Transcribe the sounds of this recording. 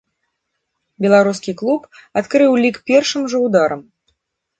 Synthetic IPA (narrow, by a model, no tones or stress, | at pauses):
bʲɛlˠaɾuskʲiklˠupat̪kɾɨwlʲikpʲɛrʂɨmʐɐwd̪aɾɐm